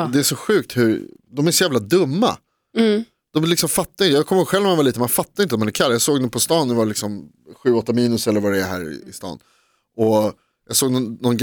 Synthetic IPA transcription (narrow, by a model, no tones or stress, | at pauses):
d̪ɛːʂɔɧʉ̟ːk̚t̪hʉɾd̪ɔmæɾʂɔjæːvlad̪ɵmːa̰ | d̪̥ɔmlɪksɔmfat̪ːaɾɪnəjɑːɡkʰɔmːəhoːɡɧɛlvnmanvaliːt̪əmanfat̪ːaɾɪnt̪əɔmanɛɾkʰalːjɑːɡsoːɡd̪ɛpʰɔst̪ɑːnd̪ɛvalɪksɔm | ɧʉ̟ːɔt̪ːamiːnɵsɛlːəɾvaɾɛɛɦæ̰ːɾɪ̰ɪ̰st̪ɑ̰ːn | ʔɔ | jɑːɡsoːɡnɔnɔnɡ